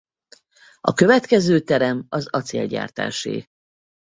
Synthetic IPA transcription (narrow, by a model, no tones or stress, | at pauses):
ɒkø̞vɛt̪kɛzøːt̪ɛɾɛmɒzɒt̪sḛːlɟa̰ːrt̪a̰ːʃḛː